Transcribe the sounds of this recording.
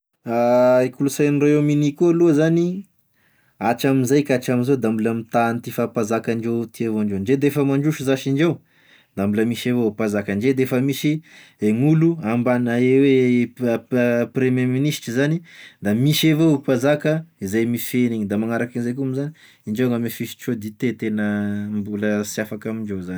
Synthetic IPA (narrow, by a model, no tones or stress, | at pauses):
aekulusajniroewminikualuəzani | at͡ʃaminzajkat͡ʃamizod̪ambuləmit̪ant̪ifapazakaɳɖ͡ʐewt̪ievoaɳɖ͡ʐenɳd͡ʒed̪efəmaɳɖ͡ʐuʃizaʃiɳd͡ʒew | d̪ambuləmiʃevopazakəɳɖ͡ʐed̪eefəmiʃi | eŋuluambanaewe | pɾememinisʈ͡ʂizanid̪amiʃevoupazakəizajmifeniɲid̪amaŋaɾakinzajkuamizani | iɳd͡ʒewŋɡamifiʃi̥t͡ʃod̪it̪et̪enəmbuləsjafakamiɳd͡ʒewzani̥